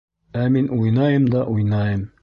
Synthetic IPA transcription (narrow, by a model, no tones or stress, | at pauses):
æminʔujnɑjɤmd̪ɑʔujnɑjɤm